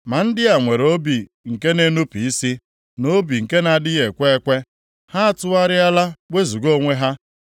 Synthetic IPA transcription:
ma˨n̩˦dɪ˦a˨ŋʷe˨ɾo˦bi˨ | ŋ̩˨ke˦ne˦nu˦pi˨i˦si˦ | no˦bi˨ŋ̩˨ke˦na˨dɪ˦ɣe˨kʷe˦e˦kʷe˦ | ha˦a˦˨tʊ˦a˦ɾɪ˦a˦la˦wʷe˦zu˨ɡo˦˨ŋʷe˦ɦa˦

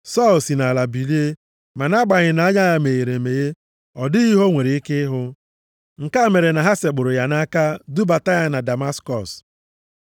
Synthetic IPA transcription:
sɔ˦˨lsi˨na˨la˨bi˨li˦e˦ | ma˨na˦ɡ͡ba˨ɲɪ˨na˨˦a˦ɲa˦ja˦me˨e˨ɾe˨me˨ɣe˦ | ɔ˨dɪ˦ɣi˦ɦo˦ŋʷe˨ɾe˨i˦kɪ˦ɦʊ˦ | ŋ̩˨ka˦˨me˨ɾe˨na˨ɦa˦se˨ɡ͡bʊ˨ɾʊ˨ja˨na˦ka˦du˦ba˨ta˦ja˦na˨da˨ma˦skɔ˨s

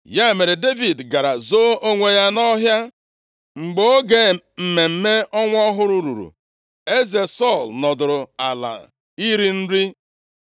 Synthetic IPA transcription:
ja˦e˨me˨ɾe˨de˦vi˨dɡa˨ɾa˨zo˦o˦ŋʷe˨ja˦nɔ˦ɦja˦ | ŋ͡m̩˨ɡ͡bo˦o˦ɡe˨ | m̩˨me˨m̩˦me˦ɔ˦ŋʷ˦ɔ˦ɦʊ˦ɾu˦ɾṵ˨ɾṵ˨ | e˦ze˨sɔ˦˨lnɔ˨dʊ˨ɾʊ˨a˨la̰˨ | i˦ɾi˦n̩˦ɾi˦

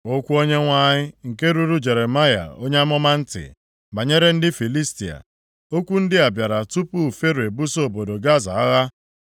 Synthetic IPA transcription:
o˦kʷu˦o˦ɲe˦ŋʷa˦ɲɪ˦ŋ̩˨ke˦ɾu˦ɾu˦d͡ʒe˨ɾe˨ma˦ja̰˨o˦ɲe˦a˦mɔ˦ma˦n̩˦tɪ̰˨ | ba˨ɲe˦ɾe˦n̩˦dɪ˦fi˨li˦sti˨a̰˨ | o˦kʷu˦n̩˦dɪ˦a˨bja˨ɾa˨tu˦pu˦˨fe˦ɾe˨bu˦so˨bo˨do˨ɡa˦za˨a˦ɣa˦

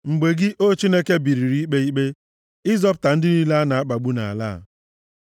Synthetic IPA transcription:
ŋ͡m̩˨ɡ͡be˨ɡɪ˦ʔo˦t͡ʃi˦ne˦ke˦bi˨ɾi˨ɾi˨˦i˦k͡pe˦i˦k͡pe˦ | ɪ˦zɔ˦p̬ʊ˨ta˨n̩˦dɪ˦ni˦la˦a˦na˨a˦k͡pa˨ɡ͡bu˦na̰˨a̰˨la̰ː˦˨

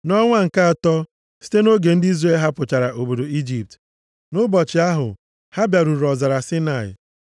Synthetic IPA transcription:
nɔ˦ŋʷa˦ŋ̩˨ka˦a˨tɔ˦ | si̥˦te˦no˦ɡe˨n̩˦di˦zɾe˦lɦa˦pʊ˨t͡ʃa˨ɾa˨ʔo˨bo˨do˨i˦d͡ʒi˨p̚t | nʊ˦bɔ˨t͡ʃɪ˨a˦ɦʊ̰˨ | ha˦bja˨ɾu˨ɾɔ˨za˨ɾa˨sɪ˦na˨ɪ̰˨

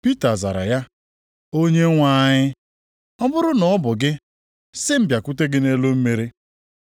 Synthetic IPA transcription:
pi˦ta˨za̰˨ɾa̰˨ja˦ | o˦ɲe˦ŋʷa˦ɲɪ˦ | ɔ˦bʊ˦ɾʊ˦nɔ˨˦bʊ˨ɡɪ˦ | sɪ˦m̩˦bja˨kʊ˦te˦ɡɪ˦ne˦lo˦m̩˦me˨ɾe˦

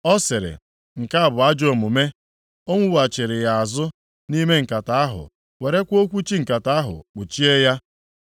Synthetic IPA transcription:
ɔ˦sɪ˨ɾɪ̰˨ | ŋ̩˨ka˦a˦˨bʊ˨a˦d͡ʒo˨mʊ˨me˦ | o˦ŋʷu˦wa˨t͡ʃɪ˨ɾɪ˨ja˨a˨zʊ˦ | ni˦me˦ŋ̩˨ka˨ta˨a˦ɦʊ̰˨ | we˨ɾe˦kʷo˦kʷu˦t͡ʃi˦ŋ̩˨ka˨ta˦a˦ɦʊ̰˨k͡pʊ˨t͡ʃi˦e˦ja˦

